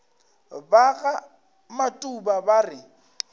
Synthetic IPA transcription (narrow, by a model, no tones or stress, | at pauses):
baɣa | matʼubabarɪ